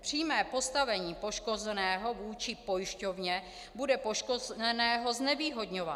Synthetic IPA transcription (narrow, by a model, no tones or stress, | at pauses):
pr̝̥iːmɛːpo̞st̪avɛɲiːpo̞ʃko̞zɛnɛːɦo̞vuːt͡ʃɪpo̞jɪʃco̞vɲɛ | budɛpo̞ʃkozɛnɛːɦo̞znɛviːɦo̞dɲova